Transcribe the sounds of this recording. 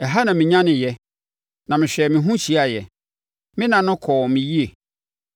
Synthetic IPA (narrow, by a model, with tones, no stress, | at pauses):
ɛ˨ɦa˦nã˨mɪ̃˨ɲã˦nɪ̃˨jɛ˦ | nã˨mɪ̃˨ɕᶣɛ˨mɪ̃˨ɦũ˦ɕi˨˦a˨jɛ˨ | mɪ̃˦nã˨nʊ̃˦kʰɔː˨mɪ̃˨ji˦e˨